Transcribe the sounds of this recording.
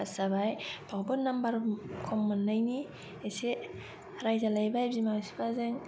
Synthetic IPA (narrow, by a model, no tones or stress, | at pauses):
asabajb̥ʰawbɯnːambaɾkʰɔmːanːajni | ese | ɾajzalajbajbzimawsi̥bazeŋ